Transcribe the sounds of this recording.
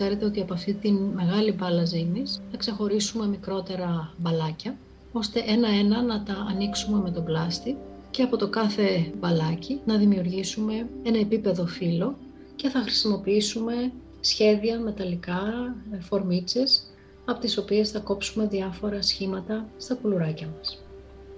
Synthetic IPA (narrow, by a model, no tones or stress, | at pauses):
se̞ɾe̞t̪e̞o̞t̪iɐpoɐft̪it̪inme̞ɣɐlibɐlɐzinisθɐkse̞xo̞ɾisume̞mikɾo̞t̪e̞ɾɐbɐlɐcɐ | o̞st̪e̞ʔe̞nɐe̞nɐnɐt̪ɐːniksume̞me̞t̪o̞blɐst̪i | ce̞ɐpot̪o̞kɐθe̞bɐlɐcinɐðimiuɾʝisume̞e̞nɐe̞pipe̞ðo̞filo̞ | ce̞θɐxɾi̥simo̞piisume̞ | sçe̞ðiɐme̞t̪ɐlikɐfo̞ɾmit͡se̞s | ɐpo̞t̪iso̞pie̞sθɐko̞psume̞ðiɐfo̞ɾɐsçimɐt̪ɐst̪ɐpuluɾɐcɐmɐs